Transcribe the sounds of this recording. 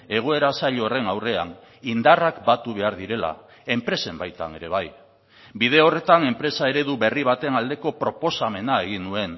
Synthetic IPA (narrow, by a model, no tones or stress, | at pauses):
e̞ɣ̞o̞e̞ɾasaʎoːre̞nawre̞an | ind̪arakbat̪uβe̞aɾðiɾe̞la̰ | e̞mpɾe̞se̞mbajt̪a̰ne̞ɾe̞β̞aj | bið̞e̞o̞re̞t̪ane̞mpɾe̞sae̞ɾe̞ðuβe̞riβ̞at̪e̞nald̪e̞ko̞pɾo̞po̞same̞nae̞ɣ̞inːue̞n